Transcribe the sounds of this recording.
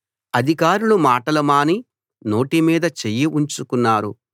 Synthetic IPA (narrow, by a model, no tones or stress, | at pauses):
ɐd̪ʱikaːɾulumaːʈɐlɐmaːni | no̞ːʈimiːd̪ɐt͡ʃejːiʔuɲt͡ʃukunːaːɾu